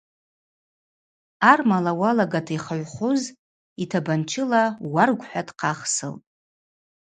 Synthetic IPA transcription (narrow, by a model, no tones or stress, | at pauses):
armalawalaɡatʰiχaʕʷχʊz | itʰabant͡ʃʰɪlawarɡʷħʷᶣadqʰaχsɨ̰ltʼ